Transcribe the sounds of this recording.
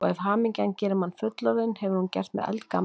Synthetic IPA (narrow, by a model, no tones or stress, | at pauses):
ɔɣɛvɦaːmiɲcancɛːɾɪmanfʏt̪lɔðɪnhɛvʏɾhuncɛ̰r̥t̪mɛ̰ðɛ̰lt̪ka̰